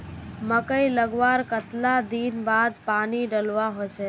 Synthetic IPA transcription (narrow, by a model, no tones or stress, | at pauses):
məkəiləɡʋaːɾkət̪lad̪iːnbaːd̪̚paːniɖəlʋaɦot͡ʃʰe